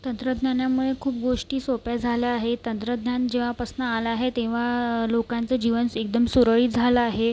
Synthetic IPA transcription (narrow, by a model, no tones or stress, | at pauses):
t̪ənt̪ɾəd̪njanjamuɭekʰuːp̚ɡoʂʈiːsopjad͡zʱaljaːɦet̪ənt̪ɾəd̪njand͡ʑeʋ̤apəsnəalaaɦet̪ẽʋ̤alokãnt͡səd͡ʑiʋənek̚d̪əmsuɾəɭiːd͡zʱalaːɦe